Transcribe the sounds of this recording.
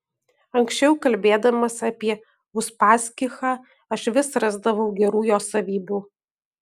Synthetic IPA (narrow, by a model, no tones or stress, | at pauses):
ɐŋʲksʲt͡ʃʲɛʊkɐlʲbʲeːd̪ɐmɐsɐpʲiɛ | ʊspɑːsʲkʲɪxɑː | ɐʃʋʲɪsɾɑzd̪ɐʋɒʊɡʲɛɾuːjoːsɐʋʲiːbʲuː